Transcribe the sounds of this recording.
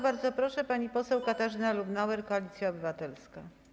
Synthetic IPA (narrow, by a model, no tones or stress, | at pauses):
baɾd̪zɔpɾɔʂɛpaɲipɔsɛwkat̪aʐɘnalubnawɛɾkɔalʲit̪sʲjaɔbɘvat̪ɛlska